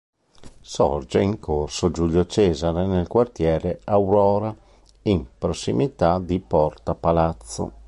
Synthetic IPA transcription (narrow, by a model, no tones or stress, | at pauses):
sɔ̰rd͡ʒeiŋkʰorsod͡ʒuʎːot͡ʃɛːzaɾenelkwart̪jɛːɾeawɾɔːɾa | impɾosːimit̪ad̪ipɔrt̪apalat̪sːo̰